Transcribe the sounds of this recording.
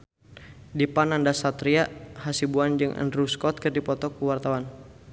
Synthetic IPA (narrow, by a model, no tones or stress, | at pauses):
dipanandasat̪ɾiahasibuand͡ʒɨŋʔə̰nɾuskɔt̪̚kərdipɔt̪ɔkuwart̪awan